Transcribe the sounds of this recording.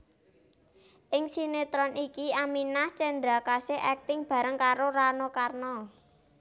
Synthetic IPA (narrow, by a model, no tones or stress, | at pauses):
ʔɪŋsinet̪ɾɔnʔikiaminaht͡ʃend̪ɾakaseʔɛk̚t̪ɪŋb̥ä̤ɾəŋkaɾoɾanɔkarnɔ